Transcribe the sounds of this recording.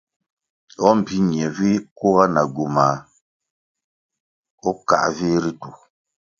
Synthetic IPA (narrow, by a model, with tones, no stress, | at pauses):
ɔ˦m̩˨pi˦ɲjɛ˨vi˦ko˦ɣa˦na˨ɡu˨ma˨ | ɔ˦ka̰˨ʔvi˦ɾi˦tu˨